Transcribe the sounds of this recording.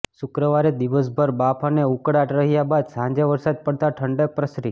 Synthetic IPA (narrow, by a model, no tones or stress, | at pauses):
ʃukɾəʋaɾed̪iʋəs̬bʱəɾbapʰaneukɽaʈɾəɦijabad̪sãɲd͡ʒeʋəɾsad̪̚pəɽt̪aʈʰəɳɖepɾəsɾi